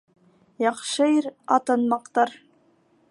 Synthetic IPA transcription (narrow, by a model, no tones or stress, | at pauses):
jɑχʃɤiɾɑt̪ɤ̆nmɑqt̪ɑɾ